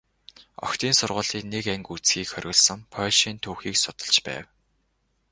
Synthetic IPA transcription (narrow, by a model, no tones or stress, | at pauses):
ɔ̰xt̪iːnsʊrʁʊːɮiːknekæŋkut͡sxiːkxœɾʲɣʲɞ̆ɮsə̆ŋpʰœːɮʃiːnt̪ʰuːxiːksʊt̪ə̆ɮt͡ɕpæ̰ːw